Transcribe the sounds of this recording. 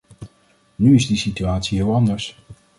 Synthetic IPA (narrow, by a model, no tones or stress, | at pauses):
nyɪzdisityaːtsiɦɪːlˠɑndəɹs